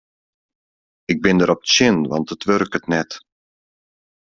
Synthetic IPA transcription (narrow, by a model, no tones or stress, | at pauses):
ɪɡ̚bɪndəɾɔpə̥tsɪnʋɑ̰ntətʋørkətnɛt